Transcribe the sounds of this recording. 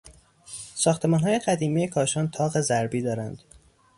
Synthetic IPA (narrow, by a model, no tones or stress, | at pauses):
sɒːxt̪ʰe̞mɒːnɦɒːje̞ɢæd̪iːmiːjekʰɒːʃɒːnt̪ʰɒːɣe̞zæɾbiːd̪ɒːɾænd̪̥